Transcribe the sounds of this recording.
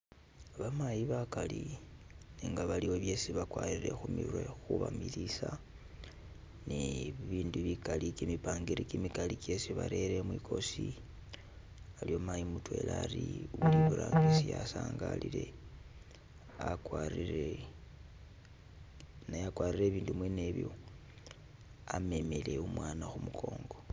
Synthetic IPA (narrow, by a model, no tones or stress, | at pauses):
aβamajiβakali | niŋɡaβaliwo̞βje̞siβakwaɾiɾe̞̰xumirwe̞xuβamilisa | niβiːnduβikalikimipaːŋɡiɾikimikalikje̞siβaɾe̞ɾe̞mwikʰo̞si | alio̞majimutwe̞lariuuliβuɾaːŋɡesijasaːŋɡalile̞ | akwaɾire | najakwaːɾire̞βiːndumwene̞βjo | ame̞mele̞umwaːnaxumukʰo̞ːŋɡo̞